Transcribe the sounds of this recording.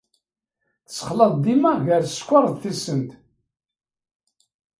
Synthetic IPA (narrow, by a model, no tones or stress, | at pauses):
θə̥sə̥χlɑðˤd̪imæʁʝəɾskʷːɑɾˤðθisənt̪